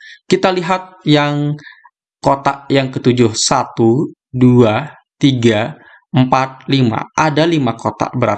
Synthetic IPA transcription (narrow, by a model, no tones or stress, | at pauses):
kit̪aliɦat̪̚jaŋ | kot̪aʔjaŋkət̪ud͡ʒʊhsat̪u | dua | t̪iɡa | əmpat̪̚lima̰ʔadalimakot̪a̰bəɾa